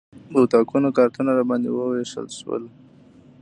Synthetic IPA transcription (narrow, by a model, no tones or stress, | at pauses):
d̪əwt̪ɑkunokɑɾt̪ənaɾabɑnd̪ewəweʃə̰lʃwə̰l